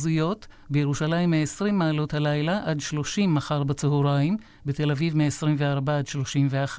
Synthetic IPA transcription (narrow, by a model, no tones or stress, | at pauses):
zujo̞t | bejeʁuʃalaimːeesʁimːaːlo̞thalajlaʔadʃlo̞ʃimːaχaʁbat͡seɦuʁaim | bete̞lavivmeesʁimveaʁbaadʃlo̞ʃimveaχ